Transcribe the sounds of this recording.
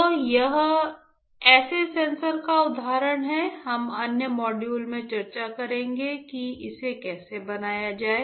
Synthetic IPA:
tɔːjɐɦ | ɛːsesẽːnsəɾkaʊd̪ʱaːɾəɽ̃ɦɛɦɐmɐnjəmɔːɖjuːlmẽt͡ʃɐɾt͡ʃakɐɾẽːŋɡekiɪsekɛːsebɐnaːjad͡ʒaːe

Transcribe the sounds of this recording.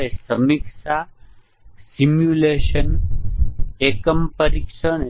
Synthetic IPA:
esəmikʂa | simjuleʃən | ekəmpəɾikʂən

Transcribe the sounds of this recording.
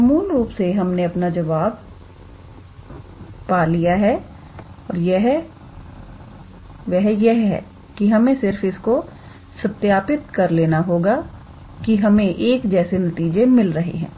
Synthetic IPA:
ɐmuːlɾuːpseɦɐmneɐpnad͡ʒɐʋaːb̚ | paːlijaɦɛ | ɔːɾjɛɦ | ʋɛɦjɛɦɦɛ̰ː | kiɦɐmẽsɪɾfɪsko | sɐt̪jaːpɪt̪kɐɾleːnaɦoːɡa | kiɦɐmẽʔeːkd͡ʒɛːsenɐt̪iːd͡ʒemɪlɾɐɦḛɦɛ̰̃ː

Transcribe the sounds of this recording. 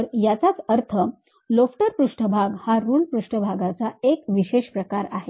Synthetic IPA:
əɾjat͡sat͡səɾt̪ʰə | lofʈəɾpɾuʂʈʰəbʱaɡhaɾuːlpɾuʂʈəbʱaɡat͡saekʋiɕeɕpɾəkaɾaɦe

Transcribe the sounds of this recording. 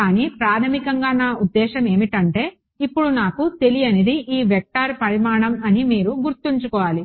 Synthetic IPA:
kaːniːpɾaːt̪ʰɐmikɐŋɡaːnaːud̪ːɛːʃɐme̞ːmiʈɐɳʈe̞ː | ipːuɽunaːkut̪e̞lijɐned̪iʔiːʋɛk̚ʈaːɾpɐɽimaːɳɐmɐnimiːɾuɡuɾt̪iɲt͡ʃukɔːʋaːli

